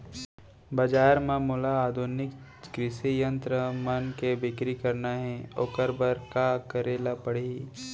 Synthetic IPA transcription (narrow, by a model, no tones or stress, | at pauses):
bɐd͡ʒaːɾmãːmʊlaːd̪ʱʊnɪk | kɾɪsijə̃nt̪ɾəmɐnkebɪkɾikɐɾnaɦɛ̃okəɾbəɾkakəɾeːlapɐɽ̤e